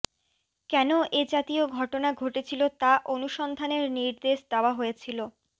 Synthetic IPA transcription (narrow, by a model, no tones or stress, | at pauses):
kɛnoʔed͡ʑat̪ioɡʱɔʈonaɡʱoʈet͡ɕʰilot̪aʔonuʃɔnd̪ʱaneɾniɾd̪eʃd̪ɛoaɦojet͡ɕʰilo